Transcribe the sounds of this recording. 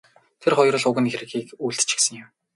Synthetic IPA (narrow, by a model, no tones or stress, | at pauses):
t̪ʰerχɔjrə̆ɮʊɣɘ̆nxeɾɘ̆ɣiːkuːɮt̪t͡ɕʰĭ̥ksɘ̆ŋjɪ̆m